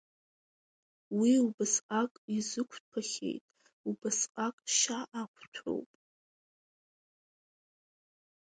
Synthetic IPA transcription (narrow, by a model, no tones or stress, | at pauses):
wiubɨsqʼakʼizɨkʷʰtʰaχʲḛjtʼ | ubɨsqʼakʼʃaʔakʷʰtʷʰo̰wpʼ